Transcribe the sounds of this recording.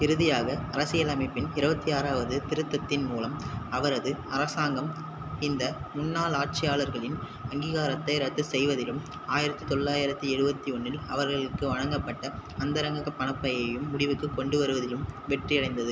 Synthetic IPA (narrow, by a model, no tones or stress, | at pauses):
ɪɾɯðɪjaːɣɐɐɾɐsɪjɐlɐmɪpːɪnɪɾɯbɐt̪ːiaːɾaːʋɐðɯt̪ɪɾɯt̪ːɐt̪ːɪnmuːlɐmɐʋɐɾɐðɯɐɾɐsaːŋɡɐm | ɪnd̪ɐmʊnːaːlaːʈ̚t͡ʃɪjaːɭɐɾɣɐɭɪn | ɐŋɡiːɣaːɾɐt̪ːɐɪɾɐt̪ːɯsɛjʋɐðɪlɯm | aːjɪɾɐt̪ːɯt̪ɔɭːaːjɪɾɐt̪ːɯɛɽɯbɐt̪ːiɔnːɪlɐʋɐɾɣɐɭɯkːɯʋɐɳɐŋɡɐpːɐʈːɐɐnd̪ɐɾɐŋɡɐɣɐpːɐɳɐpːɐjɐjɯmːʊɽɪʋɯkːɯkːɔɳɖɯʋɐɾɯʋɐðɪlɯmʋɛʈrɪjɐɽɐɪnd̪ɐðɯ